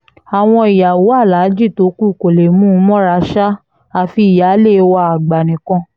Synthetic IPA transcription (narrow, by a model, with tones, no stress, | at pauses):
a˨w̃ɔ̃˧i˨ja˨wu˨˦a˦˨la˨˦d͡ʒi˦˨to˨˦ku˦˨ko˨le˨mũ˦mɔ̃˦ɾa˧˦ʃa˦ | a˧fi˧˨ja˨˦le˦˨˧wa˧˨a˨ɡ͡ba˨nĩ˨kɔ̃˧˦